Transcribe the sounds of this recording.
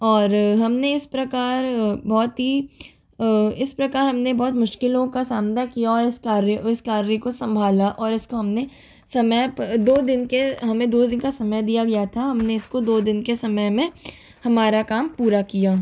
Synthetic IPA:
ɔːɾɦɐmneɪspɾɐkaːɾbɔːt̪ɦi | ɪspɾɐkaːɾɦɐmnebɔːt̪mʊʃkɪlõkasaːmnakijaɔːɾɪskaːɾɪskaːɾɾikosɐ̃mbʱaːlaʔɔːɾɪskoɦɐmne | sɐməjd̪oːd̪ɪnkeɦɐmẽd̪oːd̪ɪnkasɐməjd̪ijaɡɐjat̪ʰaɦɐmneɪskod̪oːd̪ɪnkesɐməjmẽ | hɐmaːɾakaːmpuːɾakijaː

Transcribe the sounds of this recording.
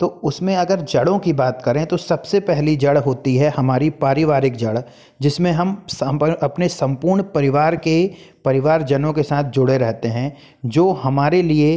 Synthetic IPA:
t̪oːʊsmẽɐɡəɾd͡ʒɐɽõkibaːt̪kɐɾẽt̪osɐbsepɛɦlid͡ʒɐɽɦoːt̪iɦɛhɐmaːɾipaːɾɪʋaːɾɪkd͡ʒɐɽ | d͡ʒɪsmẽɦɐmsɐpnesɐ̃mpuːɾɳpɐɾɪʋaːɾkepɐɾɪʋaːɾd͡ʒɐnõkesaːt̪ʰd͡ʒʊɽeɾɛɦt̪eɦɛ̃ | d͡ʒoːɦɐmaːɾelie

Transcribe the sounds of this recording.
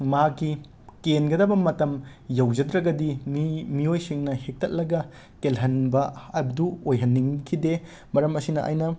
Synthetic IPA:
makːi | kenɡɐdɐbɐmɐtɐm | jɐwd͡ʒɐdɾɐɡɐdimimiojsiŋnɐhek̚tʰɐt̚lɐɡɐ | kelɦɐnbɐɐbduojɦɐnːiŋkʰide | mɐɾɐmɐsinɐʔɐ̰jnɐ

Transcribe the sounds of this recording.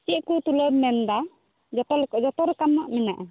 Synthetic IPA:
t͡ʃɛʔkut̪uləbmɛnd̪a | d͡ʒɔt̪ɔɛd͡ʒɔt̪ɔɾɛkanːaʔmɛnaʔa

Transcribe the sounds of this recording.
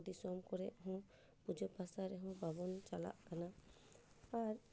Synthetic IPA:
d̪isɔmkɔɾɛʔɦɔ̃ | pud͡ʒəpasaɾɛɦɔ̃bʱabɔnt͡ʃala̰ʔkanaː | ɾ

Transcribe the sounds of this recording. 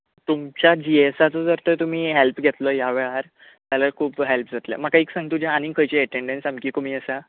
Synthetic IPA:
t̪umt͡ɕjad͡ʑiesat͡sɔd͡zəɾt̪ət̪um̤iːɦelpɡʱet̪ləjaʋɛɭaɾ | t̪jaləɾkʰuːpɦelpd͡zʱat̪lja̰m̤əkaiksãŋɡ̚t̪ud͡ʑʱaañiːkʰəjt͡ɕeəʈeɳɖensamkiːkum̤iːəsa

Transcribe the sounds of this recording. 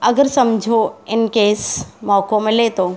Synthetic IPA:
ɐɡəɾsɐmd͡ʒʱoɪnkeːsmɔːkõmẽleːt̪oː

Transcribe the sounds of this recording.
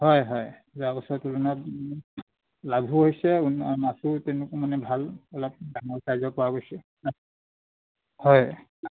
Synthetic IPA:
hɔjɦɔj | zabɔsɔtuluna | labʱuɦojsɛunmasutɛʊnʊkɔmanɛbʱalɔlɔp̚daŋɔɹkaɹzɔpɔwaɡojsɛ | hɔj

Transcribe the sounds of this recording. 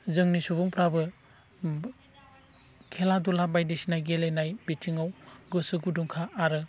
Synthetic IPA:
zɯŋnisubuŋpɾabɯ | kʰeladulabajdisinajɡelenajbitʰiŋawɡɯsɯɡuduŋkʰaʔːɾɯ

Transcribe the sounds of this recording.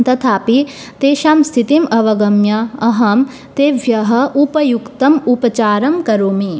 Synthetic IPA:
nt̪ɐt̪ʰaːpi | t̪eːʃaːmst̪ʰit̪imɐʋɐɡɐmjɐɐɦɐm | t̪eːʋjɐɦɐ̆ʔupɐjukt̪ɐmupɐt͡ʃaːɾɐmkɐɾuːmi

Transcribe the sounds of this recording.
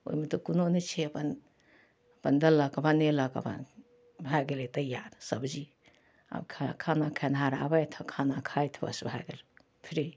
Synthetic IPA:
o̰imet̪okunonet͡ʃʰiɐpən | pənd̪ɐlːɐkɐbanelɐkə̰ba̰n | bʱaɡelet̪ɐjːaɾsəbd͡ʒi | a̰bkʰkʰanakʰanɦaɾabajt̪ʰɐkʰanakʰajt̪ʰbɐ̰sbʱaɡel | pʰiɾi

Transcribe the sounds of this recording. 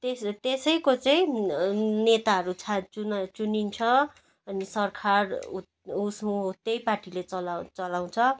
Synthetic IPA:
t̪est̪esʌjkot͡sʌĩ | net̪aɦʌɾut͡sʰat͡sunt͡sunint͡sʰʌ | ʌnisʌrkʰar | usũɦut̪ejparʈilet͡sʌlt͡sʌlaw̃t͡sʰʌ

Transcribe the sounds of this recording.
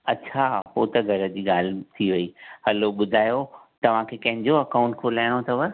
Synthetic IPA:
ɐt͡ɕʰapoːt̪ɐɡʱɐɾə̆d͡ʑiːɠaːl̤ɪt̪ʰiʋɐiɦɐloɓʊd̪ʱaːjo | t̪ɐʋ̤ãkʰeːkɐ̃ɦɪ̃ɲd͡ʑoɐkãʊ̃ɳʈkʰoːlaːɪɽ̃ot̪ʰɐʋə

